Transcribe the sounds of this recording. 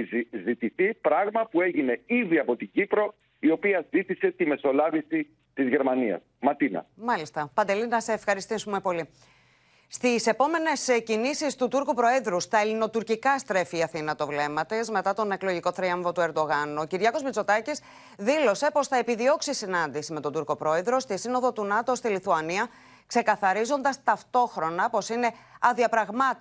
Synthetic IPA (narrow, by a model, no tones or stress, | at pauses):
zit̪iθipɾɐɣmɐpue̞ʝine̞iðiɐpo̞t̪iɟipɾo̞ | io̞piɐzit̪ise̞t̪ime̞so̞lɐvisi | t̪izʝe̞ɾmɐniɐ̰smɐt̪inɐ̰mɐlist̪ɐpɐnd̪e̞linɐseːfxɐɾist̪isume̞po̞li | st̪ise̞po̞me̞ne̞scinisist̪ut̪uɾkupɾo̞eðɾust̪ɐelino̞t̪uɾcikɐst̪ɾe̞fiːɐθinɐt̪o̞vle̞mɐt̪ezme̞t̪ɐt̪o̞ne̞klo̞ʝiko̞θɾiɐɱvo̞t̪ue̞ɾd̪o̞ɣɐnuociɾʝɐko̞zmit͡so̞t̪ɐcis | ðilo̞se̞po̞sθɐepiðio̞ksisinɐnd̪isime̞t̪o̞d̪uɾko̞pɾo̞e̞ðɾo̞st̪isino̞ðo̞t̪unɐt̪o̞st̪iliθuɐniɐ | kse̞kɐθɐɾizo̞nd̪ɐst̪ɐft̪o̞xɾo̞nɐpo̞sine̞ɐðiɐpɾɐɣmɐ